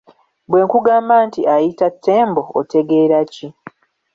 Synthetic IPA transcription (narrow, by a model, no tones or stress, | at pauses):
bwe̞ːŋkuɡaːmbaːntiajitatʰːe̞ːmbo̞o̰te̞ɡe̞ːɾaci